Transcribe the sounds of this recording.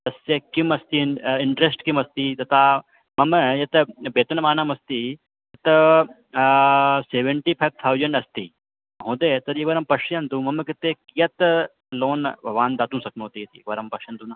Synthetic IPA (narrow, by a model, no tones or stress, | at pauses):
t̪ɐsjɐkimɐst̪iɪɳʈɾesʈkimɐst̪it̪ɐt̪ʰa | mɐməjɐt̪beːt̪ɐnɐmaːnɐmɐst̪i | t̪ɐt̪ | seːʋeɳʈiːpʰajʋ̚t̪ʰawd͡ʒɐɳɖɐst̪iː | ɦõːd̪eːt̪ɐɾjikʋɐɾɐmpɐʂjɐnt̪umɐmɨkit̪ekijɐt̪ | loːnbʱɐʋaːnd̪aːt̪ũsɐk̚nuːt̪ijɐt̪ḭkʋɐɾɐmpɐʂjɐnt̪uːnɐ